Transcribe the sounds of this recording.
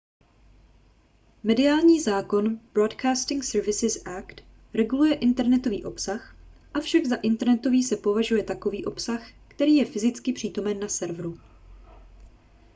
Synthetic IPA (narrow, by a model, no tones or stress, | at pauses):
mɛdɪaːlɲiːzaːko̞nb̥ɾodkʰaːst̪ɪŋksɛɾvɪsɪsʔakt̪ | ɾɛɡulujɛʔɪnt̪ɛɾnɛt̪o̞vḭːʔo̞psaxʔafʃaɡzaʔɪnt̪ɛɾnɛt̪o̞viːsɛpo̞vaʒujɛt̪ako̞viːʔo̞psaxkt̪ɛɾiːjɛfɪzɪt͡skɪpr̥iːt̪o̞mɛnːasɛɾvɾu